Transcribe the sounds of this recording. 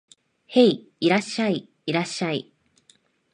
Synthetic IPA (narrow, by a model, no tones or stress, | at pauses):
he̞i | iɾaɕːai | iɾaɕːaḭ